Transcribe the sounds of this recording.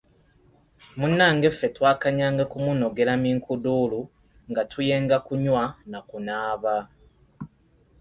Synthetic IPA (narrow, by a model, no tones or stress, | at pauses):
munːaːŋɡe̞fːe̞twaːkaɲaːŋɡakumuno̞ɡe̞lamiːŋkuduːlu | ŋɡatʰuje̞ːŋɡakuɲwanakunaːβa